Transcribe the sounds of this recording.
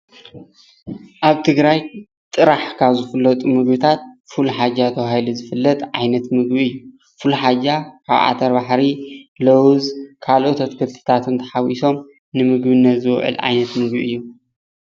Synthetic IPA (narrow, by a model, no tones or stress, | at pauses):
ʔaβt̪ʰɨɡɾaj | t̪ʼɨɾaħkʰaβzɨfɨlːɐt̪ʼumɨɡbɨt̪ʰat̪̚fuluħad͡ʒat̪ʰɐwahiluzɨfɨlːɐt̪ʼʕa̰jnɐt̪mɨɡbiɨjːu | fɨluħad͡ʒakʰa̰βʔa̰t̪ʰɐɾbaħɾilɐwzkʰalʔot̪ʰɐt̪kʰɨlt̪ʰɨ̥t̪ʰat̪ʰɨnt̪ʰɐ̥ħawiso̞m | nɨmɨɡbɨnːɐt̪zɨwʕɨ̰lʕa̰jnɐt̪mɨɡbiɨjːu